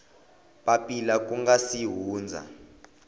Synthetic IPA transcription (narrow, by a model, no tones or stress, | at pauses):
ɓapilak̬ʼuŋɡasiɦuːnd͡zʱa̰